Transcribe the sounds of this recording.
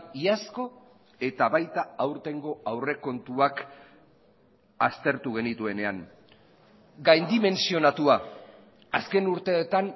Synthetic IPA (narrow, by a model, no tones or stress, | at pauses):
iasko̞ | e̞t̪aβajt̪aawɾt̪e̞ŋɡo̞awre̞ko̞nt̪uak | ast̪e̞ɾt̪uɣ̞e̞nit̪ue̞ne̞aŋ | ɡajnd̪ime̞nsio̞nat̪ua | aske̞nuɾt̪e̞ːt̪an